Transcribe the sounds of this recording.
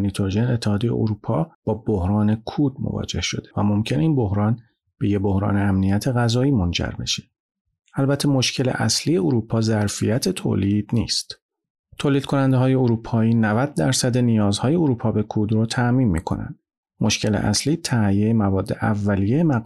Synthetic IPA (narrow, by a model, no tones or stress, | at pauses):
nit̪ʰoɾʒenet̪ʰːehɒːd̪ejḛʔoɾuːpʰɒːb̥ɒːbohɾɒːne̞kʰuːd̪̚mo̰vɒ̰ːd͡ʒe̞hʃo̞̰d̪̥evæmo̞mcʰeneiːnbo̞hɾɒːn | b̥e̞jebo̞hɾɒ̰ːneæmnijæt̪ʰeɣæzɒːiːmond͡ʒæ̰ɾbe̞̰ʃe̥ | ælbæt̪ʰːe̞mo̞ʃcʰe̞lḛʔæ̰slijeoɾuːpʰɒːzæɾfijæt̪ʰe̞t̪ʰo̰ːliːd̪̥nḭːst̪ | t̪ʰoːliːd̪̥̚kʰo̞nænd̪eɦɒːje̞oɾuːpʰɒːiːnævæd̪̚ːæɾsæd̪e̞nijɒːzhɒːje̞oɾuːpʰɒːbe̞kʰuːd̪ɾot̪ʰæʔmiːnmḭːkʰo̞̰næ̰nd̪̥ | mʔo̞ʃcʰe̞lḛʔæ̰sliːt̪ʰæjejemævɒːd̪ːe̞ʔævːælijejemæ